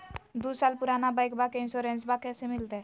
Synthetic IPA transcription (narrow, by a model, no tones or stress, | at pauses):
d̪usalpuɾanabajkbakeinsoɾensbakɛsemilt̪e